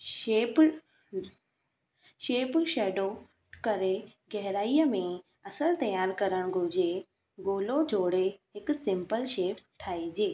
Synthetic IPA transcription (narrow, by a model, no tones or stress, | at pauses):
ʃeːp | ʃeːpʃɛːɖo | kɐɾeɡɛɦɾaːijəmẽ | ɐsəɾt̪ɐjaːɾkɐɾəɽ̃ɡʱʊd͡ʑe | ɡoːlod͡ʑʱoːɽeɦɪksɪ̃mpəlʃeːpʈʰaːid͡ʑeː